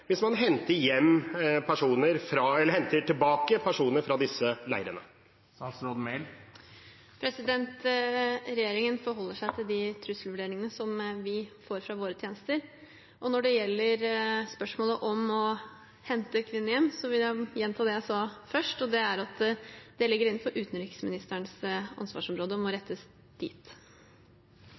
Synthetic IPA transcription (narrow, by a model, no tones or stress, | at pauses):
ʋɪsmɑnɦɛnt̪əɾjɛmːpʰæʂuːnəɾfɾɑɛlːəɾhɛnt̪əʈʰɪlbɑːkəpʰæʂuːnəɾfɾɑd̪ɪsəlæ̰ɪɾənə̰ | sɾɔd̪meɪl | pʰɾɛsɪd̪ɛnt̪ | ɾɛjeːɾɪŋənfɔɾɦɔlːəʂæɪt̪ʰɪld̪ɪt̪ʰɾʉslʋʉɖeːɾɪŋənəsɔmʋɪfoːɾfɾɑʋoːɾət̪ʰjeːnəst̪əɾ | ʔɔnɔɖɛjɛlːəɾspœʂmoːləʔɔmɔ | hɛnt̪əkʰʋɪnːɪɛmsɔʋɪljæjɛnːt̪ʰɑːd̪ɛjæɪsɑːfœʂʈɔd̪ɛæɾɑt̪d̪̥ɛlɪɡːəɾɪn̩ːfɔɾʔʉːt̪n̩ɾiːksmɪnɪst̪əɳsɑ̰nsʋɑ̰ːʂɔmɾoːd̪əɔmɔɾɛt̪ʰːəs | d̪̥ʰḭːt̪